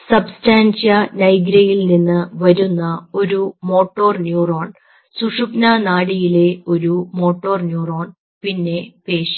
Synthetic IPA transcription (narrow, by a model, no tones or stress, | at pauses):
sɐbstaːnɕjɐnɐjɡɾɐjilninːɨʋɐɾunːɐo̞ɾumo̞ːʈːo̞ːrnjuːroːɳ | suʂupnɐnaːɽijile̞o̞ɾumo̞ːʈːo̞ːrnjuːro̞ːɳ | pinːe̞pe̞ːʂi